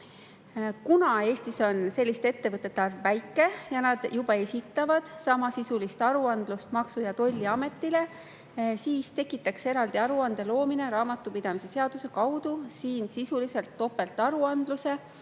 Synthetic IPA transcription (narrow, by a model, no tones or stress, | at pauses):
kunɑe̞ːst̪iso̞nse̞lʲːist̪e̞t̪ːe̞vɤt̪ːˑe̞t̪ːˑɑrvːæjkːˑe̞jɑnɑd̪̥jub̥ɑe̞sʲit̪ːˑɑvɑd̪̥sɑmɑsisulist̪ɑɾuɑnd̪̥lust̪mɑksujɑt̪o̞lʲːiɑme̞t̪ːˑile̞ | siːst̪e̞kːˑit̪ːˑɑkse̞ɾɑld̪iɑɾuɑnd̪̥e̞lo̞ːmine̞ɾɑːmɑt̪ːˑupid̪̥ɑmise̞se̞ɑd̪̥use̞kɑwd̪̥usiːnsisulise̞lt̪ːo̞pːe̞lt̪ːˑɑɾuɑnd̪̥luse̞